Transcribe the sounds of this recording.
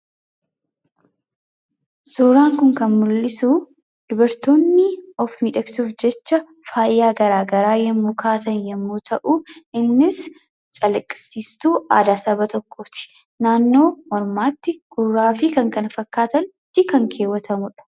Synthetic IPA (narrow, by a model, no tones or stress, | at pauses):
suːɾaːŋkʊŋkɐnmʊlːɪsuː | d̪̥ʊbɐɾt̪o̞ːnːɪɔfmiːᶑɐksuːfd͡ʒɛt͡ʃːɐ | faːjːaːɡɐɾaːɡɐɾaːjɛmːuːkʰaːt̪ɐnjɛmːuːt̪ʰɐʔuɪnːɪs | t͡ʃʼɐlɐkʼːɪ̥sːiːst̪uːʔaːd̪aːsɐbɐt̪ɔkʰːoːt̪ɪ̥ | naːnːo̞ːmɔɾmaːt̪ːɪɡ̥ʊrːaːfɪkɐŋkɐnfɐkːaːt̪ɐn | t̪ːɪkɐŋkʰeːwːɐt̪ʰɐmʊᶑɐ̥